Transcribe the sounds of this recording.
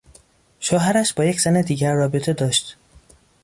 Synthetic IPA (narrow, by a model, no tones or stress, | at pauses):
ʃoːɦæɾæʃbɒːjecʰz̥æned̪iːɟæɾːɒːbet̪ʰe̞d̪ɒːʃt̪